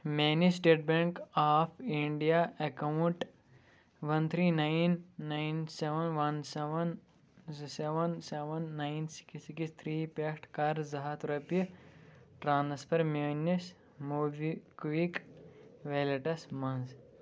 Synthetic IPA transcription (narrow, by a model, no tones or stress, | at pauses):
menisʈeːʈ̚beŋkaːpʰiɳɖijaʔɐkɐwuɳʈ | ʋɐnt̪ʰɾiːnajnːajnseʋɐnʋɐnseʋɐn | zseʋɐnseʋɐnːajnsi̥ksikist̪ʰɾiːpekʈkɐɾzɐɦat̪ɾɐpi | ʈɾãːnspʰɐɾmenis | muːʋikʋik | ʋeleʈɐsmɐnz